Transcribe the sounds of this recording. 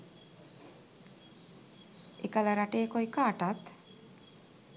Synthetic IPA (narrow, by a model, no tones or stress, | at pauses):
ekalaɾaʈejekojkaːʈat̪